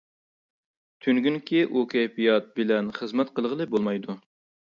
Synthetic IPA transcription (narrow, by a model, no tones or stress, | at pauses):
t̪ʰyŋɡʲynkʲʰiʔukʲʰɛjpijɑt̪̚bɪlɛnχəzmɛt̪qəlˠʁəlˠɨbolˠmɑjd̪u